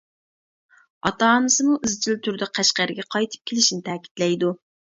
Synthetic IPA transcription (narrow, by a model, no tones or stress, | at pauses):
ɑt̪ɑːnɨsɨmuʔɪzt͡ʃʰilt̪ʰyɾd̪ɛqʰæʃqæɾɡʲɛqʰɑjt̪ʰɨ̥p̚kʲʰelɪʃnɪt̪ʰɛːkʲʰi̥t̪lɛjd̪u